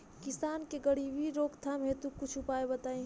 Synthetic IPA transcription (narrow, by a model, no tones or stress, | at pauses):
kɪsaːnkeɡəɽibʱiɾoːkt̪ʰamɦet̪ũkʊt͡ʃʰʊpaːebət̪aːĩ